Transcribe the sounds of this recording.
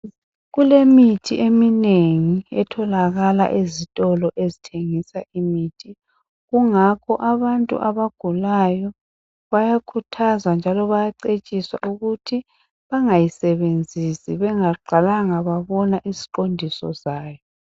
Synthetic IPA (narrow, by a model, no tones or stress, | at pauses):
ɣulemitʰiʔemineŋiɛtʰɔlaɣala̰ʔezitʼɔlɔʔezitʰeŋisaʔimiːtʰi | ɣuŋakʰɔʔaβantʼṵʔaβaɡ̥ʱulajɔ | βajakʰutʰazwand͡ʒʱalɔβajaǀet͡ʃʼiswa̰ʔuɣutʰi | βaŋajisɛβend͡zʱisiβɛŋaɡ͡ǃʱalaŋaβaβɔnaʔizi̥ǃondʱisɔ̰zaːjɔ